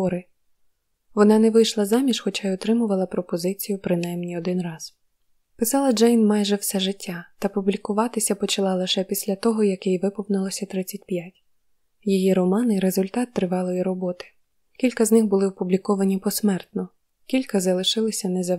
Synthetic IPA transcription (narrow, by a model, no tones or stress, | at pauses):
ɔɾɪ | ʋɔnɑnɛʋɪjʃlˠɐzɑmʲiʃxɔt͡ʃɑjɔt̪ɾɪmʊʋɐlˠɐpɾɔpɔzɪt͡sʲijʊpɾɪnɑjmnʲiɔd̪ɪnrɑz̥ | pɪsɑlˠɐd͡ʒɛjnmɑjʒɛwsɛʒɪtʲːat̪ɐpublʲikʊʋɑt̪ɪsʲɐpɔt͡ʃɐlˠɑlˠɪʃɛpʲisʲlʲɐt̪ɔɦɔjɐkɛjʋɪpɔʋnɪlˠɔsʲɐt̪ɾɪt͡sʲːɐt̚ʲpjatʲ | jijiɾɔmɑnɪɾezʊlʲt̪ɑt̪ːɾɪʋɑlˠɔjiɾɔbɔt̪ɪ̥ | kʲilʲkɐznɪxbʊlˠɪɔpublʲikɔʋɐnʲipɔsmɛrt̪nɔ | kʲilʲkɐzɐlˠɪʃɪlˠɪsʲɐnɛzɐ